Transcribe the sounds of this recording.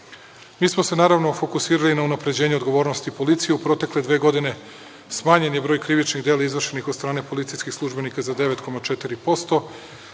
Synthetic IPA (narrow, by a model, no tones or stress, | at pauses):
miːsmose̞naːɾaʋnofo̞kusiːɾalinaunapɾe̞d͡ʑeːɲeo̞d̪ɡo̞ʋoɾnost̪ipo̞lit̪sijeupɾo̞t̪e̞kle̞d̪ʋeːɡo̞d̪ine̞ | smaːɲe̞njebɾo̞ːjkɾiʋit͡ʃniɣd̪eːlˠaizʋr̩ʃenixod̪st̪ɾaːne̞po̞lit̪sijskixslˠuʒbe̞nikazad̪eʋe̞t̪ko̞mat͡ʃet̪iɾipo̞st̪o̞